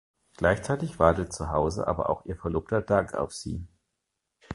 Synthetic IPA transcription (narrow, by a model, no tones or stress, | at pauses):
ɡ̥laɪçt͡saɪtɪçv̥aɐtət̚t͡suɦaʊzə̰ʔa̰ːbɐ̰ʔa̰ʊxʔiːɐfɛɐloːp̚tɐdaŋka̰ʊfz̥ḭː